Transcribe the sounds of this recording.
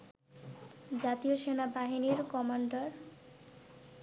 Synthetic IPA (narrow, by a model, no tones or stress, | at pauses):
d͡ʑat̪ioʃenabaɦiniɾkɔmaɳɖaɾ